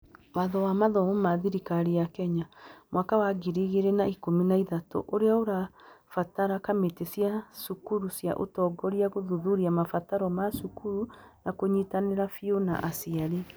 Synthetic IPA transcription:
waðɔwamaðɔmomaðiɾikaɾijakɛɲamwakawaɡiɾiɣeɾenaikominaiðato̰ʔoɾeaoɾafataɾakametesjasukuɾusja̰ʔo̰tɔːɡɔɾiaɣoðuðuɾiamafataɾɔmasukuɾunakoɲitaneɾafiona̰ʔasiaɾi

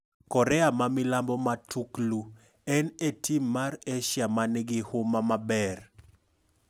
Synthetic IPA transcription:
kɔɾɛamamɪlambɔmatʰuklu | ɛnetimːareʃjamanɛɡɪhʊmamabɛr

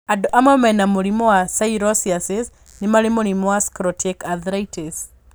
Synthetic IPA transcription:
adɔʔamɔmɛnamoɾimɔwasaiɾɔsiasɪs | nɪmaɾɪmoɾimɔwaskɾɔtʰekaðɾajtes

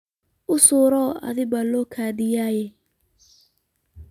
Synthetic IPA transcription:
ʊsuːɾɔa̰ðɪbalɔkʰaːdɪjaːjɛ

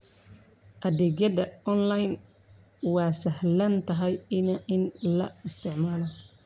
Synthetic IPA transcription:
ʔɐdɛɡjɐd̪ɐɔnlɐjn | wɑːsɐɦlɐnt̪ʰɐɦɛjɪnɐʔɪnlɐɪst̪ʰɪʕmaːlɐ

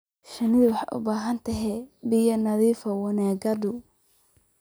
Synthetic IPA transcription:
ʃɐnɪðʊwɑħɑ̰ʔʊ̰baːɦɐnt̪ʰɐɦɛbɪjɐnɐðiːfɐwɐnaːɡɐd̪ʊ

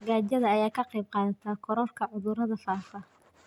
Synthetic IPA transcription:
ɡaːd͡ʒɐðɐːjaːkʰɐqɛjb̚qɑːðɐt̪ʰakʰɔɾɔrkʰɐʕʊðʊɾɐðɐfaːfɐ

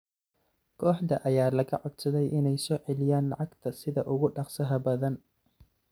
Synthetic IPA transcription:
kʰɔːħd̪ɐʔɐjaːlɐɣɐʕɔd̪sɐðɛjʔɪnɛjsɔːʕɛlɪjaːnlɑʕɑɡt̪ʰɐsɪðɐʔʊɣʊɖɑqsɐɦɐbɐðɐn

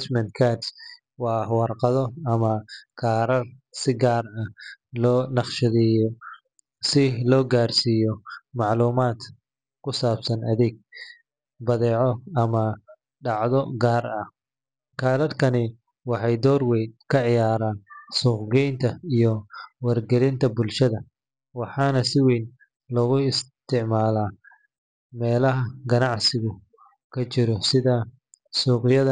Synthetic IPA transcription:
t͡ʃmɐnkʰas | wɑːwɑrqɑðɔɐmɐkʰaːɾɐrsɪɡaːrɐlɔːnɑχʃɐðɛjɔ | sɪlɔːɡaːrsiːjɔmɑʕluːmaːd̪ | kʰʊsaːbsɐnʔɐðɛɡ̚ | bɐðɛːʕɔɐmɐ | ɖɑʕðɔ̰ɡaːrɐh | kʰaːlɐrkʰɐnɪ | wɑħɑjd̪ɔːrwɛjkʰɐʕɪjaːɾaːnsuːqɡɛjnt̪ʰɐijɔwɐrɡɛlɪnt̪ʰɐbʊlʃɐðɐ | wɑħɑːnɐsɪwɛjn | lɔɣʊɪst̪ʰɪʕmaːlaː | mɛːlɐɦɐɡɐnɑʕsɪɣʊ | kʰɐt͡ʃɪɾɔsɪðɐ | suːqɪjɐðɐ

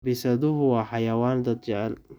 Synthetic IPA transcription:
bɪsɐðʊɦʊwɑːħɑjɐwaːnd̪ɐd̪̚d͡ʒɛʕl

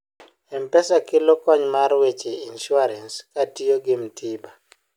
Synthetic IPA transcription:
ɛmpɛsakɪlɔkɔɲmaɾwet͡ʃeinʃʊaɾɛnskatijoɡɪmtʰiba

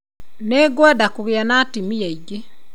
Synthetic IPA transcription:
neɡwɛdakuɣeanatimiaiɡe

